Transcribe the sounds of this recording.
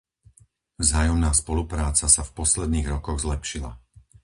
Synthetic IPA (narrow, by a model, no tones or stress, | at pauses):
vzaːjɔmnaːspɔlupɾaːt͡sasafpɔslɛd̪niːɣɾɔkɔɣzlɛpʃila̰